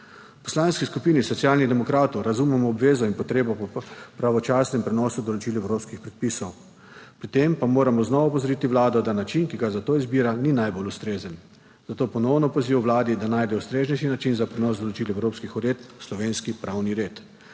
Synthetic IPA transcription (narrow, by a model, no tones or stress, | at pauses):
pɔ̥slaːnskiskupiːnisɔt̪siaːlnid̪ɛmɔkɾaːt̪ɔwɾazumɛmɔːbʋeːzɔinpɔt̪ɾeːbɔpɔpɾaʋɔt͡ʃaːsnɛmpɾɛnɔːsud̪ɔlɔt͡ʃiːlɛwɾopskixpɾɛt̪̚pisɔw | pɾit̪empamoːɾamɔznɔʋaɔpɔzɔɾit̪iʋlaːd̪ɔd̪anat͡ʃinkiɡazat̪oːizbiːɾaninajbolust̪ɾeːzən | z̥at̪oːpɔnɔwnɔpɔziːʋɔwʋlaːd̪id̪anaːjd̪ɛust̪ɾeːznɛʃinat͡ʃinzapɾɛnɔsd̪ɔlɔt͡ʃiːlɛwɾoːpskixɔɾeːt̪slɔʋeːnskipɾʔawniɾeːt̪